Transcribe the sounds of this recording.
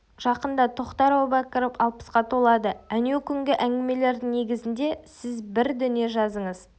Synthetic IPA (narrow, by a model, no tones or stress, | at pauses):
ʒ̥ɑqənd̪ɑt̪ʰoqt̪ɑɾobɑkəɾəpɑlˠpə̥sqɑt̪ʰo̞lˠɑd̪əænewkʲʰʏŋɡʲɪʔæŋɡʲɪme̞le̞ɾd̪ɪŋne̞ɡʲɪzɪnd̪e̞sɪzbɪɾd̪ʏne̞ʒɑzəɴəz